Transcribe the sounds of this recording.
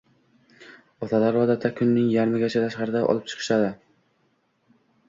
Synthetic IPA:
ɒt̪ʰad̪aɾɒd̪at̪ʰːakʰʊnːɪŋjaɾmɪɡʲat͡ʃʰat̪ʰaʃqɑɾɪd̪aʔɒ̰lˠɪp̚t͡ʃʰɨ̥qʰɨ̥ʃad̪ɪ

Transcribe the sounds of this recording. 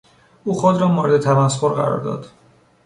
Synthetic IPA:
ʔuːxod̪ɾɒːmoːɾed̪e̞t̪ʰæmæsxoɾɢæ̰ɾɒ̰ːɾd̪ɒ̰ːd̪̥

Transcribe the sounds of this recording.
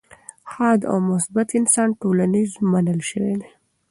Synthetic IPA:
xɑd̪a̰wmʊsbat̪ɪnsɑnʈolanizmanəlʃəwed̪e

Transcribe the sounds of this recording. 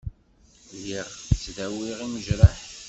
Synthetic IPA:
jiʁt͡sːðæwiʁiməʒɾəħ

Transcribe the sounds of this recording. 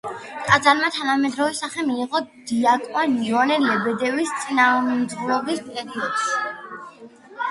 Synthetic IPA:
t̪ʼad̪zaɾmat̪ʰanamɛd̪ɾɔvɛsaχɛmiːʁɔd̪̥iakʼwaniɔnɛlɛbɛd̪ɛvist̪sʼinamd̪uɾɔbispʼɛɾiɔd̪̥s

